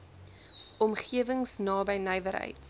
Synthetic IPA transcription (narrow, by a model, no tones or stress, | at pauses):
ɔmχiəvəŋsnɑːbəjnəjvəɾɦə̰jt